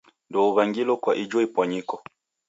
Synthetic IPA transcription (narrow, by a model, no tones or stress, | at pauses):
ndɔuβaŋɡilɔkwaʔid͡ʒwɔipwaɲikɔ